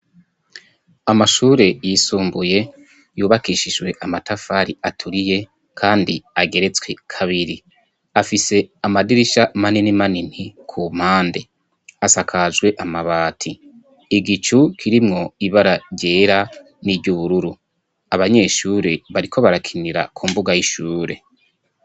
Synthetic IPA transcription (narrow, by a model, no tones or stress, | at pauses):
amaʃuːɾe̞jisuːmbuje̞ | juːβakiʃid͡ʒwe̞ʔamatafaːɾiatʰuɾije̞ | kʰaːndiaɡe̞ɾe̞t͡swe̞kʰaβiɾi | afise̞amadiɾiʃamaninimanin̥ikʰum̥haːnde̞ | asakʰaʒɡwe̞ʔamaβaːtʰi | iɡit͡ʃukʰiɾimŋo̞iβaɾaɾɟe̞ːɾa | nibɟuβuɾuɾu | aβaɲe̞ʃuːɾe̞βaɾikʰo̞βaɾakʰiniɾa̰kʰumbuɡajiʃuːɾe̞